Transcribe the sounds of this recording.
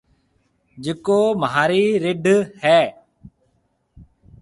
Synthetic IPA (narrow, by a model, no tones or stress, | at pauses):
d͡ʒɪkoːməɦaːɾiːɾɪɖʱhɛː